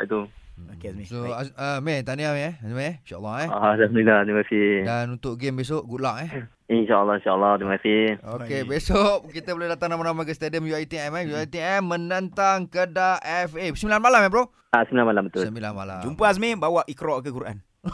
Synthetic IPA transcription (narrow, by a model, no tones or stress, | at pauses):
aʔḭt̪uokesmesoaəmet̪aniameɛsmeinʃaʔə̰lːɑɛladilaht̪ɾiməkasihdanunt̪ʊʔɡembes̬oʔɡula̰ʔɛh | inʃaəlːɑhinʃaəlːɑt̪iməkasihokebesoʔkit̪əbolehdat̪aŋnamanamakəst̪ediəmjuajt̪iɛmɛjuait̪iɛmːənənt̪aŋkədaʔɛfesəmbilanmalamɛp̬ɾo | asəmilanmalambət̪ʊsəmbilanma̰la̰d͡ʒumpəas̬mebawaʔikɾɔʔkəkuɾʔa̰n